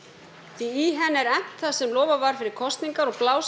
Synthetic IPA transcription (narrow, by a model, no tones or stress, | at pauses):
iiɦɛnːɛɾɛh̪θasɛmlɔːwvavaɾ̥fɪɾɪɾ̥kʰɔst̪niŋkaɾɔɣplaːws